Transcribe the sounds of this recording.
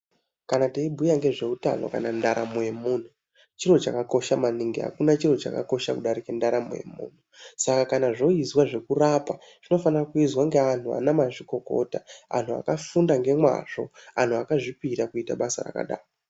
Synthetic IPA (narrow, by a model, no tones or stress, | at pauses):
kanateibʱujaŋɡe̞ʐe̞uta̰no̞̰kanandaɾamujemuːn̤u | t͡ʃiro̞t͡ʃakako̞ʃamaniŋɡiɦa̰kunat͡ʃiro̞t͡ʃa̰ka̰ko̞ʃakuɗaɾikendaɾamṵjḛmṵːn̤usakakanaʐo̞izwaʐe̞kurapa | ʐ̥ino̞fanirakuizwaŋɡe̞an̤ua̰namaʐiko̞ko̞̰taa̰n̤ua̰kafundaŋɡe̞mwa̰ʐ̥o̞̰an̤uakaʐipiɾakuita̰ɓasa̰ra̰ka̰ɗa̰ːro